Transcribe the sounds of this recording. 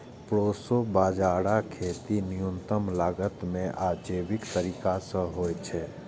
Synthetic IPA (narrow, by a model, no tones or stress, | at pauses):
pɾoːsobaːd͡ʒaːɽakʰeːt̪inɪjunt̪əmlaːɡət̪mẽʔaːd͡ʒeːbɪkt̪əɾiːkasə̃ɦoːjt͡ʃʰɛː